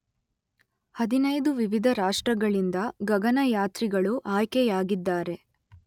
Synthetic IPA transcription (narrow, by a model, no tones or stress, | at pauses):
hɐd̪inɐjd̪uʋiʋid̪ʱɐɾaːʂʈɾɐɡɐɭind̪ɐɡɐɡɐnɐjaːt̪ɾiɡɐɭuʔaːjkɛjaːɡid̪ːaːɾe̞